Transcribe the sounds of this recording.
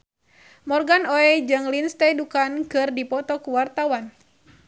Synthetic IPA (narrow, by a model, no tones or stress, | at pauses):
mɔrɡanɔɛd͡ʒɨŋlinst̪ɛdukankɨrdipɔt̪ɔkuwart̪awan